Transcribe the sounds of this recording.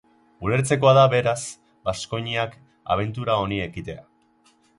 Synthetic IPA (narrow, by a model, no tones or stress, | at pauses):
ule̞ɾt͡se̞ko̞aðaβe̞ɾas | basko̞ɲiak | a̰β̞e̞nt̪uɾao̞nie̞kit̪e̞a̰